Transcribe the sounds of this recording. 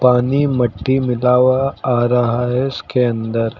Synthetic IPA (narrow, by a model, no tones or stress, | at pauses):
paːnimɐʈːimɪlaːʋaaɾɐɦaɦɛskeɐ̃nd̪əɾ